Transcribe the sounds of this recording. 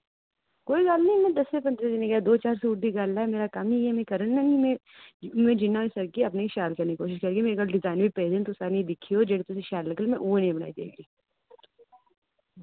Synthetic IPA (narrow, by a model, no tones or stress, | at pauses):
koːiɡaːlnɐɦĩmɛ̃d̪ɐsepɐ̃nd̪ɾed̪ineɡɐjad̪oːt͡ʃaːɾsuːʈd̪iɡaːllaːɛmeːɾakamiɛmẽkɐɾənnɐimẽ | mẽd͡ʒɪnːaĩsɐɾkiɐp̬neiʃaːlkɐɾniikoːʃɪʃkɐɾɡimeɐɡɐɾɖɪzaːɪnbʱipeːzẽɳʈ̪ʊsaːniid̪ɪkʰːiod͡ʒɐɽet̪ʊseʃaːɾlɐkəlmẽʔuːenɐɦĩbɐna̰ːid̪ḛːɡiː